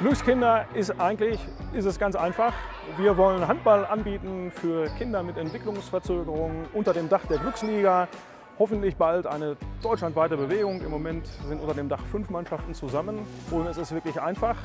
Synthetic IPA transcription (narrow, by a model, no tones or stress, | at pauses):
ɡ̥lʏkskɪndɐʔɪstʔaɪɡŋ̩tlɪçʔɪstɛsɡ̥ant͡sʔaɪnfaχ | viːɐvɔlənɦant̚b̥alʔanbiːtn̩fyːɐkʰɪndɐmɪtɛntv̥ɪklʊŋsfɛɐt͡søːɡəʁʊŋəʔʊntɐdeːmdaχd̥eːɐɡlʏksliːɡa | hɔfn̩tlɪçb̥altʔa̰ɪnəd̥ɔʏtt͡ʃʃlantv̥aɪtəbəveːɡʊŋɪ̰mːomɛntz̥ɪntʔʊntɐdeːmdaχfʏnfmanʃaftn̩t͡suzamənʔʊntɛsɪstv̥ɪɐklɪçʔaɪnfaχ